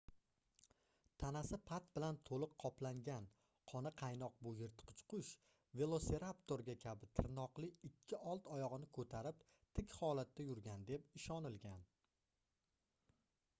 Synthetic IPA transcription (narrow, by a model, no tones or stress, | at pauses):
t̪ʰanasɪpʰat̪bɪlant̪ʰolˠɨqʰːɒplaŋɡʲan | qʰɒnɪqʰɑjnɒq̚bʊjɪɾt̪qʰʊ̥t͡ʃqʰʊʃ | ve̞lˠo̞se̞ɾapt̪o̞ɾɡʲakʲʰabɪt̪ʰɪɾnɒqlˠɪɪkʲʰːɪʔɒlˠt̪ɒjɒʁɨnɪkʰɵt̪ʰaɾɪp̚ | t̪ʰɪkʲhɒlat̪ːajʊɾɡʲand̪e̞pɪʃɒnɪlɡʲan